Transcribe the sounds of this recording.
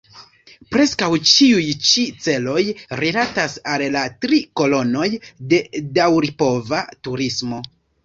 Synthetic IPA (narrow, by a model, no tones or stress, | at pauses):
pɾe̞skawt͡ʃiujt͡ʃit͡se̞lo̞jɾilatasallatɾiko̞lo̞no̞jde̞dawɾipo̞vatuɾismo̞